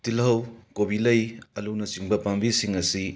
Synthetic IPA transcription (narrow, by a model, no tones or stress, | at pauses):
tilɦɐwkobilɐjɐluwnɐt͡ʃiŋbɐpaŋbisiŋɐsi